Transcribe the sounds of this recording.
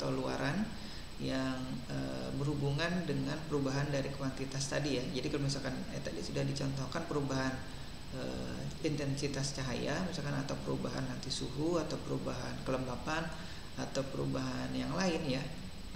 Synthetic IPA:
t̪alua̰ɾʔan | jaŋ | ə̰bərhubuŋandəŋanpəɾubaɦandaɾikəwant̪it̪ast̪adijad͡ʒadikalomis̬alkanat̪adisudahdit͡ʃɔnt̪ɔhkanpəɾubaɦan | ə̰ | int̪ɛnsit̪ast͡ʃaɦa̰jamisalkanat̪awpəɾubaɦa̰nːant̪isuɦuat̪awpəɾubaɦa̰nkələmbapan | at̪awpəɾṵbaɦanjaŋlaɪnja

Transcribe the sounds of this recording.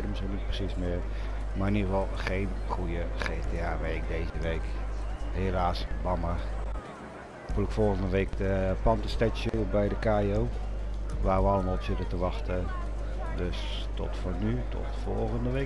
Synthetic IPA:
dəməsinit̚prə̥sismɪr | marnyʋɔlˠχejnχujəχeːteaːʋeɪk̚dejzəʋeːkhelaːsbɑma | kulɪkfɔlˠɣəndəʋeːkdəpɑmtəstɛsjubɛjdəkaːiow | ʋaːʋəɑlˠəmaːlˠsidətəʋɑxtə | døs | tɔtfonytʰɔ̰tfɔ̰lˠɣəndəʋe

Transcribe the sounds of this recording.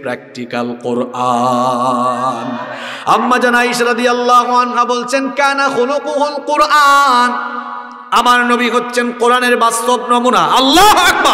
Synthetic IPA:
pɾak̚ʈikalqoɾʔa | namːad͡ʑanajʃɾɔd̪ijalːaɦuanɦabolt͡ɕʰenkanaxoluquɦolqoɾʔan | amaɾnobiɦotːɕʰenqoɾaneɾbast̪obnɔmunaɐlːaɦɐk̚ba

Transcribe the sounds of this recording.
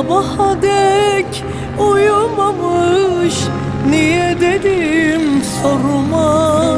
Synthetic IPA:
bahad̪ɛc | ujumamɯʃ | nijɛd̪ed̪imsoɾuma

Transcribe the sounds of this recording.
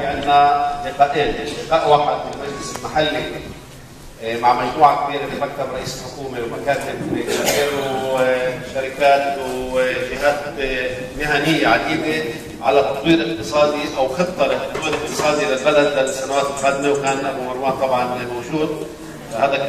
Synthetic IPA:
ʔanːaʔɪqaʔelɪʃɪqaːʔwaːħɪd̪mɪlmad͡ʒlɪsɪlmaħalːi | maʕmaʒt̪ˤuːʕak̚biːɾɪbɪbakːɑɾˤɾˤɑʔiːsɪlħʊkuːmewmakaːnɪtaeːɾu | ʃaɾɪkaːt̪wʒɪɦaːt̪ | mɪɦanɪjːaʕad̪iːbe | ʕa̰lat̪ɑt̪ˤwiːɾʔɪq̚t̪ɨsˤɑːd̪iʔawxɨb̚t̪ˤːɑlɪt̪ɑt̪ˤwiːɾɪq̚t̪ɨsˤɑːd̪ilɪlbad̪alːalsanawaːt̪ɪlxaːd̪mewkaːnabumɑɾˤwaːnt̪ˤɑbʕɑnmawʒuːd̪ | haːd̪a

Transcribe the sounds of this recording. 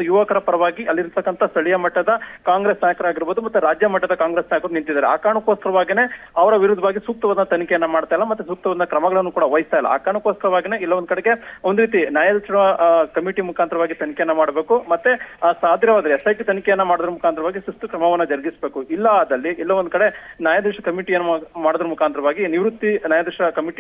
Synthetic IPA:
ujuʋɐkɐɾɐpɐɾɐʋaːɡiʔɐlːiɾt̪ɐkːɐnt̪ʰɐst̪ʰɐɭijɐmɐʈːɐd̪ɐkaːŋɡɾeːsnaːjɐkɐɾuaːɡiɾbo̞ːd̪umɐt̪ːuɾaːd͡ʒjɐmɐʈːɐd̪ɐkaːŋɡɾeːsnaːjɐkɐɾunint̪id̪aːɾea̰ːkaːɳukoːskɐɾɐʋaːɡine̞ːɐʋɐɾɐʋiɾud̪ʱːɐʋaːɡisuːk̚t̪ɐʋaːd̪ɐnɐt̪ɐnikɛjɐnːɐmaːɽt̪aːjlːɐmɐt̪ːus̬uːk̚t̪ɐʋɐd̪ɐnɐkɾɐmɐɡɐɭɐnːukuːɽɐʋɐjst̪aːjilːɐ̰a̰ːkaːɳukoːskɐɾɐʋaːɡineilːɐond̪ukɐɽeɡe̞ond̪uɾiːt̪̬injaːjɐd̪ɐʂɐkɐmiʈimukʰaːnt̪ɾɐʋaːɡit̪ɐnikɛjɐnːɐmaːɽbe̞ːkumɐt̪ːesaːd̪ʱjɐʋaːd̪ɐɾeɛsɐjkit̪ɐnikɛjɐnːɐmaːɽud̪ɐɾumukʰaːnt̪ɾɐʋaːɡisust̪ukɾɐmɐʋɐnːɐd͡ʒɐɾɡisbe̞ːkuilːɐːd̪ɐlːiʔɛlːɐʋond̪ukɐɽe̞njaːjɐd̪ɐʂɐkɐmiʈijɐnːɐmaːɽd̪ɐɾumukʰaːnt̪ɾɐʋaːɡiniʋɾut̪ːinaːjad̪ɾɛʂɐkɐmiʈi

